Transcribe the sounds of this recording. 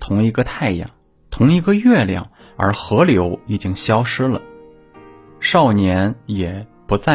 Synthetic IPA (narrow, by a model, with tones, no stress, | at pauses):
t̪ʰʊ˧˥ŋi˧˥ɡə˧t̪ʰa˥˧˩ɪjɑ̰˨˩ŋ | t̪ʰʊ˧˥ŋi˧˥ɡə˧ɥɛ˥˧ljɑ̰˥˩ŋ | ə̰˞˧˥xɤ˧˥ljo˧˥ʊi˨˩t͡ɕi˥ŋɕjɑ˥ʊʂɻ̩˥lə̰˨ | ʂɑ˥˩ʊnjɛ˧˥njɛ˨˩pu˧˥t͡sa˥˩